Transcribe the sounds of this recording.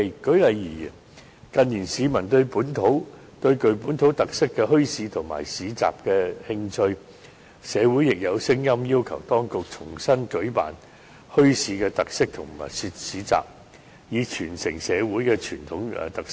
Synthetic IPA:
kɵ˨˥ɥlɐ˨jːiː˨˩˨ | kɐ˨nːiː˨˩nsiː˨˧mɐ˨˩nt̪ɵ˧ɥpuː˨˥nt̪ʰo˨˥w | t̪ɵ˧ɥkɵ˨ɥpuː˨˥nt̪ʰo˨˥wt̪ɐ˨k̚sɪ˥kːɛː˧ɦɵ˥ɥsiː˨˧t̪ʰʊ˨˩ŋma̰ː˨˩jsiː˨˧t͡sa̰ː˨p̚kɛː˧hɪ˧ŋt͡ʃʰɵ˧ɥ | sɛː˨˧wu˨˥jɪ˨k̚jɐ˨˧wsɪ˥ŋjɐ˥mjiː˥wkʰɐ˨˩wt̪ɔː˥ŋkʊ˨k̚t͡sʰʊ˨˩ŋsɐ˥nkɵ˨˥ɥpa̰ː˨n | hɵ˥ɥsiː˨˧kɛː˧t̪ɐ˨k̚sɪ˥k̚t̪ʰʊ˨˩ŋma˨˩jsi˧t̚siː˨˧t͡sa̰ː˨p̚ | jiː˨˧t͡ʃʰyː˨˩nsɪ˨˩ŋsɛː˨˧wuː˨˥jkɛ˧t͡ʃʰyː˨˩nt̪ʰʊ˨˥ŋ̰ː˧t̪ɐ˨k̚s

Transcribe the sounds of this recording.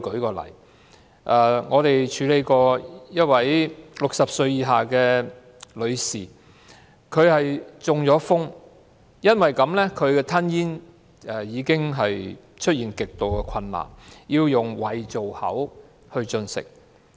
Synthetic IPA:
kɵ˨˥ɥkɔː˧lɐ̰˨˩j | ʔɐː˨ŋɔː˨˧t̪e˨jt͡ʃʰyː˨˧le˨˧jkɔː˧jɐ˥t̚wɐ˨˥jlʊ˨k̚sɐ˨p̚sɵ˧ɥjiː˨˧ɦaː˨˩kɛː˧ | lɵ˨˧ɥsiː˨˩ | kʰɵ˨˧ɥhɐ˨jt͡sʊ˨ŋjɔː˨˧˥fʊ˥ŋ | jɐ˥nwɐ˨˩jkɐ˨˥mlɛː˥kʰɵ˨˧ɥkɛː˧t̪ʰɐ˥njiː˥n | ʔɛː˨˩jiː˨˧kɪ˥ŋɦɐ˨j | t͡ʃʰt̚jiː˨nkɪ˨k̚t̪o˨wkɛ˧kʷʰwɐ˧nla̰ː˨˩njiː˧wjʊ˨ŋwɐ˨jt͡so˨whɐ̰˨˥w | hɵ˧ɥt͡ʃɵ˧nsɪ̰˨k̚

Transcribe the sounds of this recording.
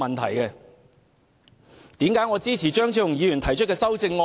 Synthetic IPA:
mɐ˨nt̪ʰɐ̰˨˩jkɛ˧ | t̪iː˨˥mkaː˨˥jŋɔ˨˧t͡siː˥t͡sʰiː˨˩t͡ʃœː˥ŋt͡sʰiː˨˧˥jʊ˨ŋjiː˨˧jy˨˩nt̪ʰɐ˨˩jt͡ʃʰɵ˥t̚kɛː˧sɐ˥wt͡sɪ˧ŋːɔː˧

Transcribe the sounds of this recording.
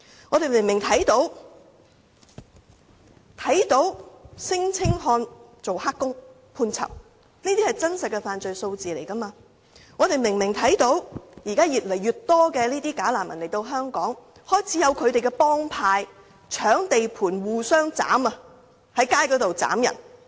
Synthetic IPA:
ŋɔː˨˧ɾe˨jmɪ˨˩ŋmɪ˨˩ŋt̪ʰɐ˨˥jt̪o˨˥w | t̪ʰɐ˨˥jt̪o˨˥wsɪ˥ŋt͡sʰɪ˥ŋɦɔː˧nt͡so˨whaː˥kːʊ˥ŋ | pʰuː˧nt͡sʰɐ̰˨˩p̚ | niː˥t̪i˥hɐ˨jt͡sɐ˥nsɐ˨t̚kːɛ˧faː˨nt͡sɵ˨ɥso˧wt͡siː˨le˨˩jkɐ˥maː˧ | ŋɔː˨˧t̪e˨jmɪ˨˩ŋmɪ˨˩ŋt̪ʰɐ˨˥jt̪o˨˥wjiː˨˩kaː˥jiː˨˩t̚lɐ˨˩jːyː˨˩t̚t̪ːɔː˥kɛː˧liː˥t̪iː˥kaː˨˥laː˨˩mːɐ˨˩nle˨˩t̪o˧wɦœː˥ŋkɔː˨˥ŋ | hɔː˥jt͡sʰiː˨˥jɐ˨˧wkʰɵ˨˧ɥt̪e˨jkɛ˧pɔː˥ŋpʰaː˧j | t͡ʃʰœː˨˥ŋt̪e˨jpʰuː˨˩nwuː˨sœː˥ŋt͡sa̰ː˨˥mɐ˧ | hɐ˨˥jkaː˥jkɔː˨˥t̪o˨wt͡sa̰ː˨˥mjɐ̰˨˩n

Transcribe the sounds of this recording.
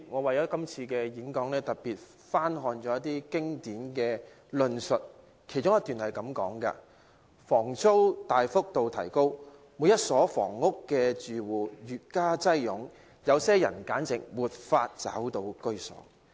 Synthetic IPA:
ŋɔː˨˧wɐ˨jɔː˨˥kɐ˥mt͡sʰiː˧kɛː˧ji˨˥ŋkɔː˨˥ŋlɛː˥t̪ɐ˨t̚piː˨t̚ | faː˥nɦɔː˨˧nt͡ʃɔː˨˦jɐ˥t̪̚iː˥kɪ˥ŋt̪iː˨˥nkɛː˧ | lɵ˨˧nsɵ˨t̚ | kʰe˨˩jt͡ʃʊ˥ŋjɐ˥t̪yː˨nhɐ˨jkɐ˨˥mkɔ̰ː˨˥ŋkɐ̰˧ | fɔː˨˩ŋt͡so˥wt̪aː˨jfʊ˥k̚t̪o˨wt̪ʰɐ˨˩jko˥w | mu˨˧jɐ˥t̚sɔː˨˥fɔ̰ː˨˩ŋːʊ˥kːɛː˧t͡syː˨wuː˨˩jyː˨t̚kaː˥t͡sɐ˥jjʊ˨˥ŋ | jɐ˨˧wsɛː˥jɐ̰˨˩nkaː˨˥nt͡sɪ̰˨ŋwuː˨t̚faː˧t̚t͡sɐ̰˨˥wt̪o˧wkɵ˥ɥsɔ̰ː˨˥

